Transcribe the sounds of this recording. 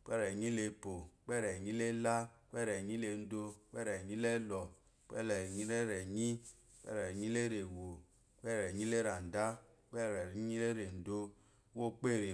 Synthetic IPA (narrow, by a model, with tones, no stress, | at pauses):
k͡pɛ˦ɾɛ˨ɲi˦le˧po˨k͡pɛ˦ɾɛ˨ɲĩ˦le˦la˦k͡pɛ˦ɾɛ˨ɲĩ˦le˧˨n̩˦do˧˦k͡pɛ˦ɾɛ˨ɲĩ˦lɛ˦lɔ˨ | k͡pɛ̰˦lɲi˦ɾɛ˦ɾɛ˨ɲi˦ | k͡pɛ̰˦ɾɛ˨ɲĩ˦le˦ɾe˨wo˨ | k͡pɛ˦ɾɛ˨ɲĩ˦le˦ɾa˨n̩˨da˦k͡pɛ˦˨ɾɛ˨˦ɲi˦le˦ɾe˨n̩˨do˧˦ | wo˦k͡pe˦˨ɾe˨